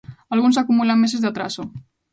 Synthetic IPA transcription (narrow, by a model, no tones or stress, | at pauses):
alɣunsakumulamːes̬ezðat̪ɾaso